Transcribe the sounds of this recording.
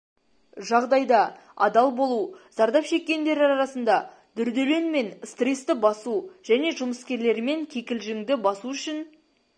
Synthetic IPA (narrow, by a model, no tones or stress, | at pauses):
ʒɑʁd̪ɑjd̪ɑ | ɑ̰d̪ɑlˠbo̞lˠuz̥ɑɾd̪ɑpʃe̞kʲːe̞nd̪e̞ɾɑɾɑɾɑsənd̪ɑ | d̪̥ʏɾd̪ele̞nme̞nst̪re̞st̪ɪbɑsuʒ̥æne̞ʒʊməskʲe̞ɾle̞ɾɪme̞ŋkʲʰe̞kʲɪlʒɪŋd̪ɪbɑsuʏʃɪn